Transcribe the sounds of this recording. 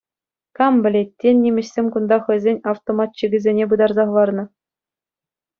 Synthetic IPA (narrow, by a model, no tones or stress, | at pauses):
kɑmbʲɘ̆lʲetʲːenʲːimʲɘ̆ɕsʲemʲkund̪ɑχɤ̆jzʲenʲɑft̪omɑt̪ɕiɡʲɘ̆zʲenʲebɯd̪ɑrzɑχ̆lˠɑrnɤ̆